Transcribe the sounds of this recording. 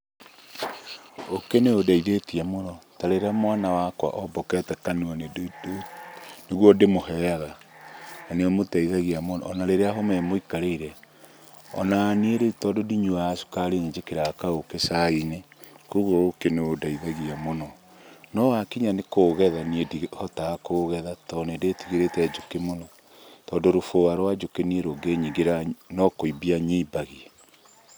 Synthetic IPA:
okeneodaiðetiamonɔtaɾeɾamwanawakwa̰ʔɔbɔkɛtɛkanuɔneddoneɣwɔdemohɛɣa | naneɔmotɛiðaɣiamonɔ̰ːnaɾeɾeaɦomɛmoikaɾeiɾɛ | ɔ̰naːnieɾetɔdodiɲuaasu̥kaɾeɲeɲd͡ʒekeɾaakaokesainekuɣookeneodaiðaɣiamonɔ | nɔwakiɲanekoːɣɛðaniedihɔtaːkoːɣɛðatɔnedetiɣeɾetɛd͡ʒokemonɔ | tɔndoɾofoaɾwad͡ʒokenieɾoɡeɲiɡeɾanɔkoibiaɲiːbaɣiɛ

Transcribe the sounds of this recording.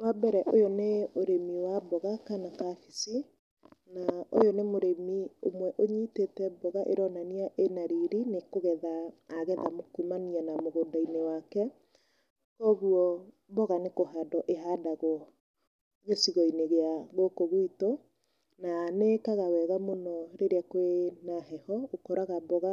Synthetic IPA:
wabɛɾɛʔojoneoɾemiwabɔɣakanakafisi | naojonemoɾemiomwɛʔoɲiːtetɛbɔɣaʔeɾɔnaniaʔenaɾiɾinekoɣɛðaːɣɛðamokumanianamoɣodainewakɛ | kɔːɣuɔ | bɔɣanekohadɔʔeɦadaɣɔ | ɣesiɣɔineɣeaɣokoɣwito | nanekaɣawɛɣamonɔɾeɾeakwenaɦɛhɔokɔɾaɣabɔɣa

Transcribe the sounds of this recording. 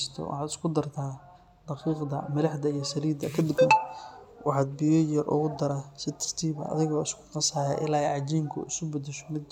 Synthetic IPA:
st̪ʰɔ̰wʔɑ̰ħɑːd̪ɪskʰʊd̪ɐrt̪ʰaː | d̪̥ɑqiːqd̪ɐ̰mɐlɑħd̪ɐijɞsɐliːd̪ɐkʰɐd̪ɪɡɐn | wʔɑħɑːd̪̚bɪjɔjɐrʔʊ̰ɣʊd̪ɐɾasɪt̪ʰɐ̥rt̪ʰiːβɐ̰ʔɐ̰ðɪɣɔːɪskʰʊ̥t̪ɐsaːjaːʔɪ̰laːɛʕɑd͡ʒiːŋkʰʊ̰ʔɪsʊbɛd̪ɛʃɔ̥mɪd̪

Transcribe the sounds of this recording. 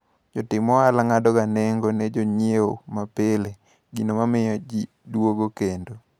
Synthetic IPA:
d͡ʒotɪmɔalaŋadɔɡaneŋɡonɛd͡ʒoɲeomapele | ɡinomamɪjɔd͡ʒi | dwoɡokendo

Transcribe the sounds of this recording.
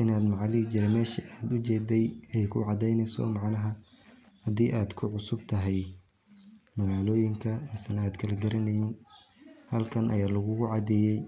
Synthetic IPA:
ʔɪnaːd̪mɑʕliːɡt͡ʃɪɾɛmɛːʃiʔaːd̪ʊt͡ʃɛːd̪ɛjɛjkʰʊʕɑd̪ɛjnɛjsɔ̰mɑʕnɐɦɐ | hɐd̪iːʔaːd̪kʰʊʕʊsʊb̚t̪ʰɐɦɛj | mɐɣaːlɔːjɪŋkʰɐmɪsɐnaːd̪kʰɐlɛɡɐɾɐnɛjɪn | hɐlkʰɐnʔɐ̰jaːlɐɣʊɣʊʕɑd̪ɛːjɛj

